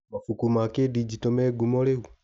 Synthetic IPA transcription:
mafukumakedid͡ʒitomeɡumoleu

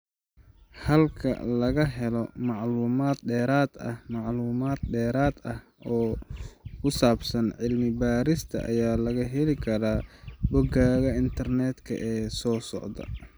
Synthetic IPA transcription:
hɐlkʰɐ̰lɐɣɐɦɛlɔmɑʕluːmaːd̪ɖɛːɾaːd̪ɐhmɑʕluːmaːd̪̚ɖɛːɾaːd̪ɐh | ɔː | kʰʊsaːbsɐnʕɪlmɪbaːɾɪst̪ʰɐ̰ʔɐ̰jaːlɐɣɐɦɛlɪkʰɐɾaːbɔɡaːɣɐɪnt̪ʰɐrnɛːd̪kʰɐ̰ʔɛːsɔːsɔ̰ʕd̪ɐ̰

